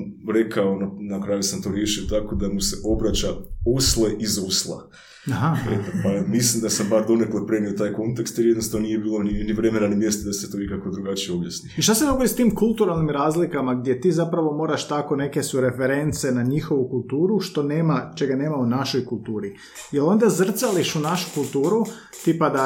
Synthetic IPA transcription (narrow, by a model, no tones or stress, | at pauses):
ɾe̞kʰaonanakɾaːjusamt̪o̞ːɾje̞ʃiot̪ako̞d̪amuse̞ʔo̞bɾat͡ɕaosle̞ʔizoslˠa̰ | aɦaet̪opamislimd̪asambaɾd̪o̞neklepɾeniot̪aːjko̞nt̪ekst̪jelied̪nosaonijebiːlˠoniniʋɾemenanimjest̪od̪aset̪onikako̞d̪ɾuɡat͡ʃijeobja̰sniiʃt̪ased̪oɡod̪ist̪iːmkult̪uɾalˠnimɾaːzlikamaɡ̚d̪ʲje̞t̪iːzapɾaʋo̞moːɾaʃt̪ako̞ne̞kesuɾe̞feɾe̞nt̪se̞naɲixo̞ʋukulˠt̪uːɾuʃt̪o̞ne̞ːmat͡ʃe̞ɡane̞ːmaunaʃo̞jkulˠt̪uːɾi | jelo̞nd̪azr̩t̪saliʃunaʃu̥kulˠt̪uːɾu | t̪ipad̪a